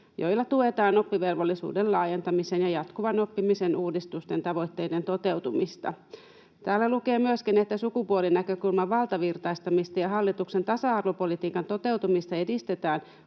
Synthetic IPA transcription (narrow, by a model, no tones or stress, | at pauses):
jo̞̰jlːɑt̪uet̪ɑːno̞pːiʋe̞lʋolːisṵːdellɑːje̞nt̪ɑmiseːnjɑjɑt̪kuʋɑno̞pːimisenʔuːdist̪ust̪e̞nt̪ɑʋo̞jt̪ːe̞jde̞nt̪o̞t̪e̞wt̪umist̪ɑ̰ | t̪æːlːæluke̞ːmyøskinet̪ːæsukupuolinækø̞kulmɑʋɑlt̪ɑʋirt̪ɑjst̪ɑmist̪ɑjɑɦɑlːit̪ukse̞nt̪ɑsɑɑrʋopo̞lit̪iːkɑnt̪o̞t̪e̞wt̪umist̪ɑe̞dist̪e̞t̪æːn